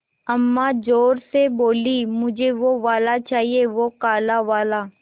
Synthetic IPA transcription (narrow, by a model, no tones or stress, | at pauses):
əmːaːd͡ʒoːɾseboːliːmʊd͡ʒʱeʋoʋaːlat͡ʃaːɦieʋoːkaːlaʋaːlaː